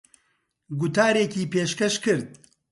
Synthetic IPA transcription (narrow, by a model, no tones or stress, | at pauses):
ɡʊt̪aːɾeːciːpeːʃkɐʃkɨɾd̪̚